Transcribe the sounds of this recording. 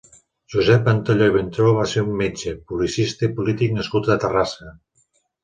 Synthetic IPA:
ʒuzɛpant̪oʎoiβ̞ent̪ɾoβaseumːet͡ʃepulisist̪əipulit̪ik̚nəskut̪ət̪ərasə

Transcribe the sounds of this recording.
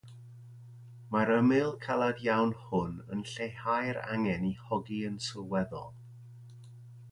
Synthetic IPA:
maɾəmɪlˠkʰalˠadjawnhʊnə̰nɬejhajɾa̰ŋɛnihɔɡiənsəwɛðɔlˠ

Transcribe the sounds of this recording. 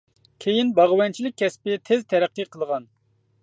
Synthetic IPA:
kʲʰejinbɑʁwɛnt͡ʃʰilɪk̚ʲʰːɛspɪt̪ʰɪzt̪ʰɛɾæqːɨqʰəlˠʁɑn

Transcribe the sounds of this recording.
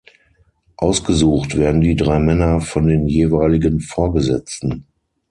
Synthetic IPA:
ʔaʊsɡ̥əzuːxtv̥eːɐdn̩diːdʁaɪmɛnɐfɔndeːnjeːvaɪlɪɡənfoːɐɡəzɛ̰t͡stn̩

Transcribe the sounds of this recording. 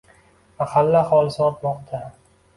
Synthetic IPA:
mahalːaχɒlˠsɒt̪̚bɒqt̪ʰa

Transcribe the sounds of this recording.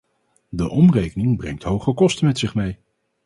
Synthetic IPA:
dəʔɔmrejkənɪŋbrɛ̰ŋtɦowχəkɔstəmɛtsɪχmej

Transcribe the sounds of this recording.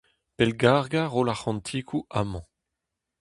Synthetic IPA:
pɛlɡaʁɡaʁolaχɑ̃nt̪ʰikʰuʔamɑ̃

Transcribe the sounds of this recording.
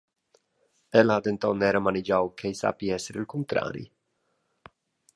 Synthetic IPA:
ɛlaːd̪ent̪ɔnːɛɾamanid͡ʒawkʰejsa̰piɛsːeɾilkunt̪ɾa̰ːɾḭ

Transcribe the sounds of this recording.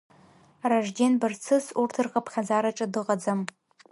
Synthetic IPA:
raʐɡʲenbɨrt͡sʰɨsurtʰɨrqʼapʰχʲad͡zaɾaʈ͡ʂʼadɨqʼad͡zam

